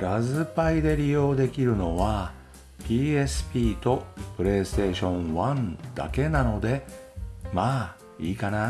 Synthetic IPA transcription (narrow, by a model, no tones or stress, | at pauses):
ɾazɨpaid̪e̞ɾʲijo̞ːd̪e̞kʲiɾɯ̟no̞βa | pʲiːe̞sɨ̥pʲiːt̪o̞pɯ̟ɾe̞ːsɨ̥t̪e̞ːɕõ̞ɰ̃βãnd̪̥a̰ke̞nano̞d̪e̞ | maː | iːkana